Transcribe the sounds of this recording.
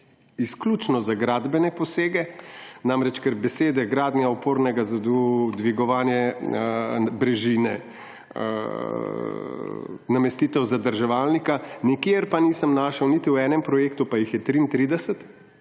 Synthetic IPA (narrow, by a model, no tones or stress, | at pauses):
isklʲuːt͡ʃnɔzaɡɾaːd̪bɛnɛpɔseːɡɛnamɾɛt͡ʃkɛɾbɛseːd̪ɛɡɾaːd̪njaɔpoːɾnɛɡazad̪d̪ʋiɡɔʋaːnjɛ | bɾɛʒiːnɛ̰ | namɛst̪iːt̪ɛwzad̪əɾʒɛʋaːlnikanikeɾpaniːsəmnaːʃɐwnit̪iwɛːnɛmpɾɔjeːkt̪upajixjɛt̪ɾint̪ɾiːd̪ɛsɛt̪